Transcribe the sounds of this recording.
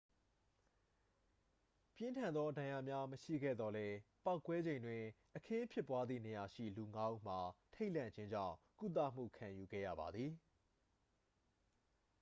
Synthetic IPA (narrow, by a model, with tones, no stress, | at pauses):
pjɪ̃˦ntʰã˨nd̪ðɔ˦ʔədã˨ja̰˨mja˦məʃḭ˦˨ɡɛ̰˦˨d̪ðɔ˦lɛ˦pa˦ʊkːwɛ˦d͡ʑẽ˨ɪ̃ndwɪ̃˨ʔəkʰɪ̃˦pʰjɪ˦˨pːwa˦d̪ðḭ˦˨ne˨ja˨ʃḭ˦˨lu˨ŋa˦ʔṵ˦˨m̥a˨tʰe˦ɪʔl̥ã̰˦˨ɲd͡ʑɪ̃˦ɲd͡ʑã̰˦˨ʊ̃ku˦t̪̬ä̰˦˨m̥ṵ˦˨kʰã˨ju˨ɡɛ̰˦˨jä̰˦˨ba˨d̪ði˨